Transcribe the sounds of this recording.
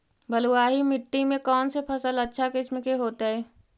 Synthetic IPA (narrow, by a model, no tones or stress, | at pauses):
bəluaːɦimɪʈːimẽkɔːnsepʰɐsələtːʃʰakɪsmɪkeɦoːt̪aɦɛː